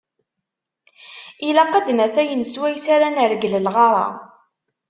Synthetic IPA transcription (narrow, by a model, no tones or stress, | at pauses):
ilæqːæd̪næθæjənswæjsaɾænəɾɡləlʁɑɾˤɑ̰